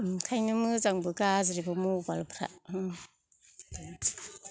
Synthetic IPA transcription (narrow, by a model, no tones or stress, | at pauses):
mkʰajnɯmɯzaŋbɯɡazɾibɯmubalpʰɾa̰ʔ